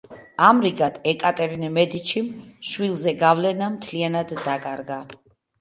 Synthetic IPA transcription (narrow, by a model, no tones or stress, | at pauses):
amɾiɡat̪ʰɛkʼat̪ʼɛɾinimɛd̪it͡ʃʰimʃwilˠzɛɡavlɛnamt̪ʰlianad̪ːakʼaɾɡa